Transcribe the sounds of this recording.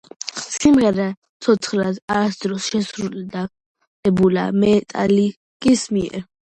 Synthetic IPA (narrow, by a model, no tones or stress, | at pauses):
simʁɛɾa | t̪sʰɔt̪ʰχɾad̪aɾasd̪ɾɔsʃɛsɾuld̪a | ɛbula̰mɛːt̪ʼa̰li | kʼismiɛ̰ɾ